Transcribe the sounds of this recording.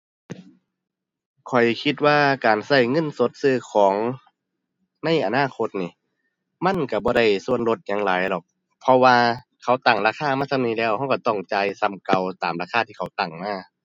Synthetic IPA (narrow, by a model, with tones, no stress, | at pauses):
kʰɔ˨˩jkʰi˧t̪̚waː˧kaː˨˩nsa˧˩jŋɤ˧˥˨nso˧˦t̪̚sɯː˧˩kʰɔː˨˦ŋ | na˧˥˨jʔa˨naː˧˥˨kʰo˧t̪̚niː˧˩ | ma˧˥˨nka˧˩bɔː˧˦ɾa˧˩jsu˧˨ənlo˧t̪̚ɲaː˧˦ŋlaː˨˦jlɔ˨˩k̚ | pʰɔ˧waː˧kʰa˧˦wt̪aː˨˩ŋlaː˧kʰaː˧˥˨maː˧˥˨sa˧˨niː˧˩˨lɛː˧˩wha˧˩˨wka˧˩t̪ɔ˧˩ŋt͡ɕaː˧jsa˧˨mka˧˩wt̪aː˨mlaː˧˩kʰaː˧˥t̪ʰiː˧˨kʰa˧˩wt̪a˨˩ŋmaː˧˥˩